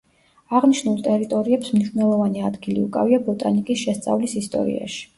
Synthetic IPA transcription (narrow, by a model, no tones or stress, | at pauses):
aʁniʃnulˠt̪ʼɛɾit̪ʼɔɾiɛpsmniʃnɛlˠɔvaniad̪ɡilḭṵkʼa̰viabɔt̪ʼanikʼisʃɛst̪sʼa̰vlisist̪ʼɔ̰ɾḭa̰ʃi̥